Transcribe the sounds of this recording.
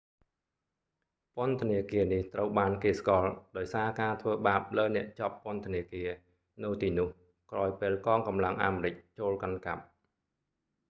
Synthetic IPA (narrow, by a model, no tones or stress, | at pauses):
pŏənt̪ʰəniəkiəniht̪rəwɓaːnkeːskŏəlɗaɔjsaːkaːt̪ʰʋəːɓaːp̚ləːnɛ̆əʔt͡ɕɑpːŏənt̪ʰəniəkiə | nɨwt̪iːnʊ̆əh | kraɔjpeːlkɑːŋkɑmlaŋʔaːmrɨc̚t͡ɕoːlkankap̚